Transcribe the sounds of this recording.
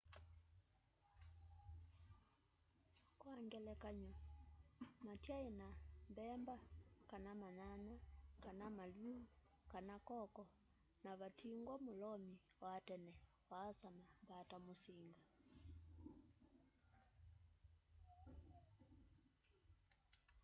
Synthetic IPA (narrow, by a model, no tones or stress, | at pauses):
kwaŋɡɛlɛkaɲɔ | matjaenambɛmbakanamaɲanakanamalu | kanakɔkɔ | naβatʰiŋɡwɔmolɔmi | watɛnɛ | waːsamambatamosiŋɡa